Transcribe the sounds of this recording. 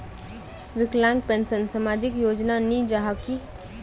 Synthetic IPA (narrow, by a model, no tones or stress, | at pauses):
ʋɪklãŋɡ̚pẽnsənsamad͡ʒɪkjoːd͡ʒnanĩd͡ʒaɦaki